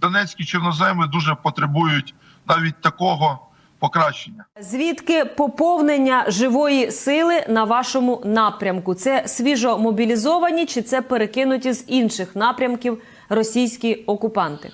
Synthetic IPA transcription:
d̪ɔnɛt͡sʲkʲit͡ʃɔrnɔzɛmɪd̪uʒɛpɔt̪ɾebujʊtʲ | nɑʋʲit̚ʲt̪ɐkɔɦɔ | pɔkɾɑʃenʲːɐzʲʋʲit̪kɪpɔpɔwnenʲːɐʒɪʋɔjisɪlˠɪnɐʋɑʃɔmʊnɑpɾʲɐmkʊt̪sɛsʲʋʲiʒɔmɔbʲilʲizɔʋɐnʲit͡ʃɪt̪sɛpeɾekɪnʊtʲizinʃɪxnɑpɾʲɐmkʲiw | rɔsʲijsʲkʲiɔkʊpɑnt̪ɪ̰

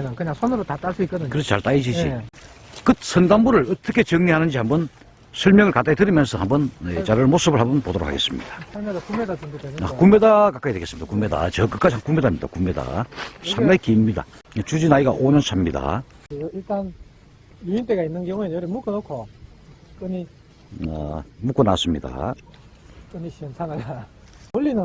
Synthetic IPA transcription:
ɲaŋkɯɲaŋsʰonɯɾotat͈aɭs͈uik͈ʌd̪ɯɲkɯɾʌt͡ɕʰet͡ɕaɭt͈aid͡ʑid͡ʑḭ | kɯt̚sʰʌŋdambuɾɯɭʌt͈ʌkʰe̞t͡ɕʌŋɲiɦanɯnd͡ʑihambʌn | sʰɯɭmjʌŋɯɭkat͈aitɯɾimjʌnsʰʌhambʌnḛt͡ɕaɾɯɭmos͈ɯbɯɭɦhabʌnpodoɾokʰa̰ɡe̞̰s͈ɯmɲḭd̥ḁamedokumːedat͡ɕuŋɡodena̰kumːe̞dakak͈aidwe̞ɡe̞sɯmid̥̪akumːe̞da̰t͡ɕʌkɯk͈ad͡ʑihakume̞damɲid̥a̰kumːe̞da̰sʰaŋɡaikimɲida̰ | et͡ɕud͡ʑinaiɡaʔoɲʌnsʰamɲida̰ | eiɭt͈an | juint͈eɡainːɯnkjʌŋuejʌɾimuk͈ɯnokʰo | k͈ɯɲi | a̰muk͈onas͈ɯmɲida̰ | k͈ɯɲiɕinsʰanaɡa | olːinɯ

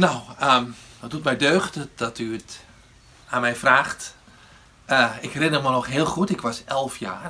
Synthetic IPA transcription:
nawədɔt̚dut̚mɛjdøːxtədɔtyət | aːmɛjfraːxt | əɪkrɪnərmɔnɔxɦɪːlˠxutɪkʋɔsɛlˠfja̰ːr

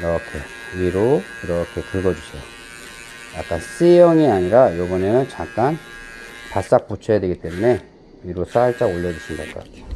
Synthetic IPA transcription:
iɾʌkʰe̞̰ | iɾo | iɾʌkʰe̞kɯɭɡʌd͡ʑusʰejo | jak͈ans͈ejʌŋiaɲiɾajobʌne̞nɯnt͡ɕak̚k͈an | pas͈ak̚p͈ot͡ɕʰʌjadwe̞ɡit͈e̞mune̞ | iɾos͈ʰaɭt͡ɕ͈aoʎːʌd͡ʑuɕʰindaɭk͈ʌk͈a̰t͈ejo

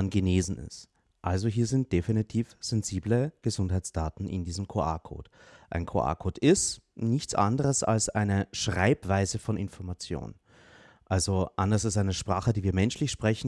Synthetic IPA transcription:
nɡəneːzn̩ɪ̰st | ʔalzoɦiːɐzɪnt̚d̥efinitʰiːfz̥ɛnziːbləɡ̥əzʊnthaɪt͡sd̥aːtn̩ʔɪ̰ndiːzəm̩kʰoʔa̰ːkʰo̰ːt | ʔaɪnkʰo̰ʔa̰ːkʰoːtɪstnɪçtt͡sʔa̰ndəʁ̞əsa̰lsʔa̰ɪnəʃʁ̥aɪpv̥aɪzəfɔnʔɪnfɔɐmat͡sjo̰ːn | ʔalzoʔandɐsalsʔaɪnəʃpʁ̥aːχədiːviːɐmɛnʃlɪçʃpʁ̥ɛçn̩

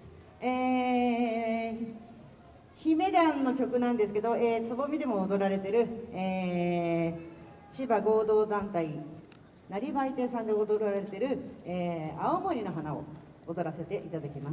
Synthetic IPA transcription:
eː | çime̞d̪ãnːo̞kʲo̞kɯ̟nãnd̪e̞sɨ̥ke̞d̪o̞eːt͡sɨbo̞mʲid̪e̞mo̞oːd̪o̞ɾaɾe̞t̪e̞ɾɯ̟eː | ɕibaɡo̞ːd̪o̞ːd̪ãnt̪ai | naɾʲiβait̪e̞ːsãnd̪eod̪o̞ɾaɾaɾe̞t̪e̞ɾɯ̟eːaomo̞ɾʲino̞ɦanao̞̰ | od̪o̞ɾase̞t̪e̞ʔit̪ad̪akʲimas

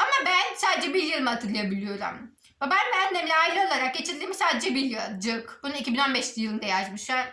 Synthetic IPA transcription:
amabænsaːd̪ed͡ʒɛbiɾjɯlˠmɯat̪ʰɯɾlˠajabilʲijo̞ɾṵm | vɛbænbænd̪emlʲɛailʲˠɯo̞lˠaɾak̚ɟe̞t͡ʃʰiɾd̪iːmisaːd̪ed͡ʒɛbiɾjɯd͡ʒɯkbununicʰibino̞nbɛʃlʲijɯlˠɯnd̪ejaʃmɯʃaɾ

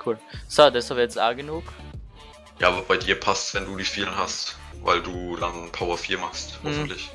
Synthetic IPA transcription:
kʰuːlsadɛshapɛt͡sa̰ːɡənuːk | ja̰ːvɐb̥aɪdiːɐpʰastsv̥ɛnduːdiːfiːlənɦastva̰ɪlduːdanpʰaʊɐfiːɐmaχsthɔfn̩tlɪç

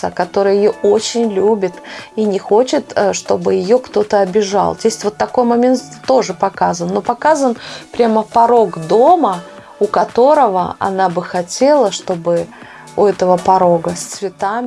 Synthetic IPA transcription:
a̰kɐt̪o̞ɾɨjəjɪjoo̞t͡ɕɪnʲlʲubʲɪt̪inʲɪxo̞t͡ɕɪt̪ʂt̪o̞̰bɨjɪjo̞kt̪o̞t̪əɐbʲɪʐa̰lˠzʲesʲtʲvo̞t̪ːɐko̞jmɐmʲe̞nt̪ːo̞ʐɨpɐkazənːo̞pɐkazənpɾʲaməpɐɾo̞ɡd̪o̞mə | ʊkɐt̪o̞ɾəvə̰ɐ̰nabɨxɐtʲelˠəʂt̪o̞bɨ | ʊɛt̪əvəpɐɾo̞ɡəsʲt̪svʲɪt̪amʲ

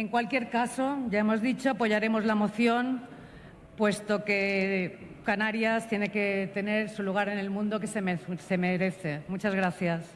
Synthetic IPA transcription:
e̞ŋkwalkje̞ɾkaso̞ʝae̞mo̞zðit͡ʃo̞apo̞ʝaɾe̞mo̞zlamo̞θjo̞n | pwe̞st̪o̞ke̞ | kanaɾjast̪je̞ne̞ke̞t̪e̞ne̞ɾsuluɣ̞aɾe̞ne̞lmũnd̪o̞ke̞semesemeɾe̞θe̞mut͡ʃazɣ̞ɾaθjas

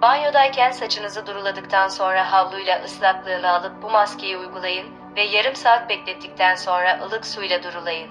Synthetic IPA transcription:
b̥anjo̞d̪ajcʰænsat͡ʃʰɯnɯzɯd̪uɾulˠad̪ɯkt̪ʰanso̞nɾahavlˠujlʲˠaʔɯslˠaklˠɯːnɯalˠɯp̚bumascʲʰejiujɡulˠajɯn | vɛjaɾɯmsaɯk̪̚bɛclʲɛt̪ʰːic̚ʲt̪ʰænso̞nɾaʔɯlˠɯksujlʲˠad̪uɾulˠajɯn

